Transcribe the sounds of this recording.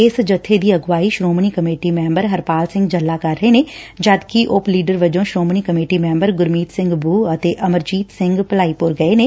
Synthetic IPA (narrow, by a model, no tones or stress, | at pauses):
ɪsd͡ʒət̪ʰːed̪iːəɡʋaːiːʃɾoːmniːkəmeːʈiːmɛ̃ːmbəɾɦəɾpaːlsɪ̃ŋɡd͡ʒəlːaːkəɾːəeːneːd͡ʒəd̪kiʔʊpliːɖəɾʋəd͡ʒõːʃɾoːmniːkəmeːʈiːmɛ̃ːmbəɾɡʊɾmiːt̪sɪ̃ŋɡbuːət̪eːʔəməɾd͡ʒiːt̪sɪ̃ŋɡpəlaːiːpʊɾɡəeːneː